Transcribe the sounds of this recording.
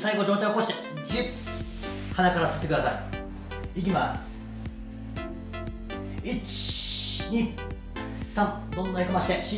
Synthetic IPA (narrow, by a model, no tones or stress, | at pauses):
saiɡo̞d͡ʑo̞ːt͡ɕãoko̞ɕi̥t̪e̞ | d͡ʑi̥ | hanakaɾasɨ̥t̪ːe̞kɯd̪asai | ik̬ʲimas | it͡ɕ | ɲʲi | sãŋ | d̪õnːaikamaɕi̥t̪e̞ɕi